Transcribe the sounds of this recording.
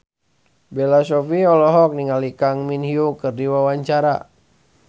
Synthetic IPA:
bɛlasɔfiɔlɔɦɔk̚niŋalikaŋminhiukɨrdiwawaɲt͡ʃaɾa̰

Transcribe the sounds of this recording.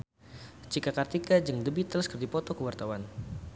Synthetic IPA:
t͡ʃikakart̪ikad͡ʒəŋdəbit̪ələskərd̪ipɔt̪ɔkəwart̪awan

